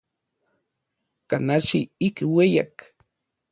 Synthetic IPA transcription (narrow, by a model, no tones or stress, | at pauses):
kanat͡ʃiikweja̰k